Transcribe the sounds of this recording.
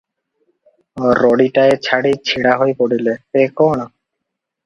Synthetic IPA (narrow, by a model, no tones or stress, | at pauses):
ɔɾːɔɽiʈaet͡ɕʰaɽit͡ɕʰiɽaɦojpoɽilep̪ekoɽ̃ɔ